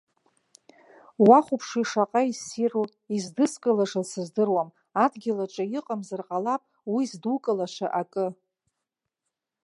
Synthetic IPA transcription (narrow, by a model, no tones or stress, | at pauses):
waχʷupʰʂiʂaqʼaisiru | izdɨskʼɨlaʂasɨzdɨrwam | adɡʲɪlaʈ͡ʂʼajɪqʼamzarqʼalapʼ | wizdukʼɨlaʃʷaʔakʼɨ